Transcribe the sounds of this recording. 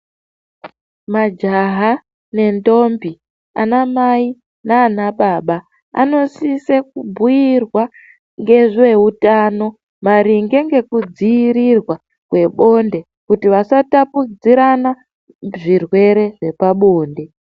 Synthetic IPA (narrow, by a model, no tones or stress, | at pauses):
mad͡ʒaɦa | ne̞ndo̞mbi | a̰namai | naːnaɓaɓa | a̰no̞sisekubʱujirwa | ŋɡe̞ʐe̞utaːno̞ | maɾiŋɡe̞ŋɡe̞kud͡ziiɾirwa | kwe̞ɓo̞nde̞ | kutiʋasatapud͡ziɾana | ʐirwe̞ɾe̞ʐe̞paɓo̞ːnde̞